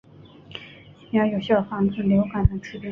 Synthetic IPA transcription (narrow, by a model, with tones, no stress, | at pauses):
ɑ˧˥jo˨˩ɕjɑ˥˩fɑ˧˥ŋt͡sə˥˩nljo˧˥ʊka˨˩d̪ə˧˥ʈ͡ʂʰɻ̩˥t̪i˥˩